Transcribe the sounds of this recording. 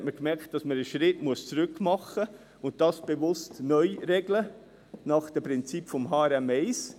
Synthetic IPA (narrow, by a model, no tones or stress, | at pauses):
tməɾkmɛɾkt̚d̥ɑsməɾəʃɾɪtmuəst͡sɾʏkmɑχə | ʊnt̚d̥ɑːsb̥evʊstnœʏɾɛɡlə | nɑχd̥əpɾɪnt͡sipfɔmɦɑːɛɾɛmɛɪs